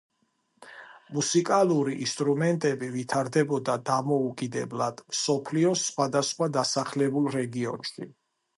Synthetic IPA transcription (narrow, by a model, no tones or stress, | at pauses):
musikʼalˠuɾiʔḭst̪ʼɾumɛnt̪ʼɛbivit̪ʰaɾd̪ɛbɔd̪ad̪amɔukʼid̪ɛblad̪̥msɔpʰliɔsχwad̪asχwad̪asaχlɛbulˠɾɛɡiɔ̰nʃi